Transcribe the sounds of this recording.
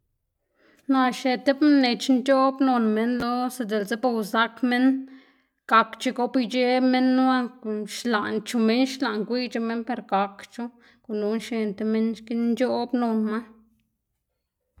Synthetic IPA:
na˧ʃe˧t̪e˦bne˨˧t͡ʃnt͡ʃo˦bno˧nme˦nlo˦se˧d̪e˨lze˦bo˧wza˧˦kme˦n | ɡ̥a˧kt͡ʃe˧ɡo˦pi˦t͡ʃe˦me˦nː˦wa˦ʃla˨nt͡ʃu˧me˦nʃla˨ŋkʷi˦t͡ʃu˧me˦npe˧ɾɡa˨kt͡ʃu˦ | ku˨lu˧˦nʃe˧nt̪e˧me˦nʃki˦nd͡ʒo˦bno˧nma˦

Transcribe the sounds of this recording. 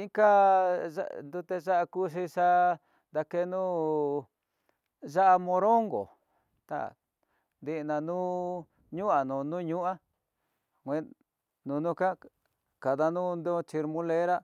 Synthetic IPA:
ĩ˦ka˦ʒa̰nd̪u˧t̪e˧ʒa˦ʔa˧ku˦ʂ̬i˧ʂa˧ | nd̪a˧ke˧nũ˦ | ʒa˦ʔa˧mõ˧ɾo˦ŋɡo̰˨ | t̪a̰˦˨ | nd̪i˧ʔnã˧nũ˦ | ɲũ˦ʔa˨nũ˨nũ˦ɲũ˦ʔa˦ | kʷẽ˦ | nũ˨˧nũ˦ka˦ | ka˨ða˧nũ˦nd̪o˦t͡ʃi˧ɾmũ˦le˦ɾa˦

